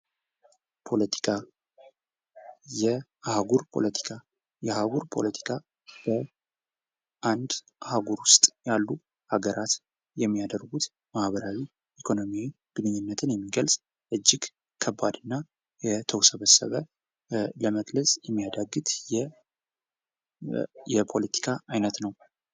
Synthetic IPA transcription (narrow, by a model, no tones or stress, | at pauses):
pʰo̞lət̪ʰi̥kʰa | jɛ | ahaɡuɾpʰo̞̰lət̪ʰi̥kʰa | jɛahaɡuɾpʰo̞̰lət̪ʰi̥kʰa | b̥ə | ʔand̪ | ʔahaɡuɾwʊst̪ʼjalːu | haɡəɾat̪ | jɛmːijad̪əɾɡut̪ | mahβəɾawi | ʔikʰo̞nomjawi | b̥ɨnɨɲːɪnːət̪ʰɨnjɛmːiɡəlsʼ | ʔɨd͡ʒːɪɡ | kʰəbːad̪ɨnːa | jɛt̪ʰəwsəβəsːə̰βə | ləməkləsʼjɛmːijad̪aɡːɨt̪ʼjɛ | jɛpʰo̞lət̪ʰi̥kʰaajnət̪nəw